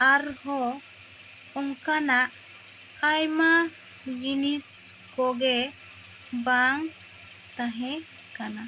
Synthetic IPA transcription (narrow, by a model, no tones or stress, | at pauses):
aɾhɔ | ɔŋkanaʔ | ajma | d͡ʒiniskɔɡɛ | baŋ | t̪aɦɛ̃ | kana